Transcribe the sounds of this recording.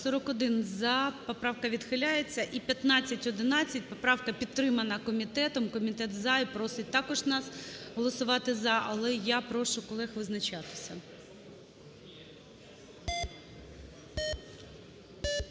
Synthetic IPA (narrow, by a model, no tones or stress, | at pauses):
sɔɾɔkɔd̪ɪnzɑpɔpɾɑʋkɐʋʲid̪xɪlʲajet͡sʲːɐʔipʲjɐt̪nɑt͡sʲːɐtʲɔd̪ɪnɑt͡sʲːɐt̚ʲpɔpɾɑwkɐpʲit̪ːɾɪmɐnɐkɔmʲit̪ɛt̪ɔmkɔmʲit̪ɛt̪zɑipɾɔsɪt̚ʲt̪ɑkɔʒnɑsɦɔlˠɔsʊʋɑt̪ɪzɐʔɐlˠɛjapɾɔʃʊkɔlˠɛxʋɪznɐt͡ʃɑt̪ɪ̥sʲɐ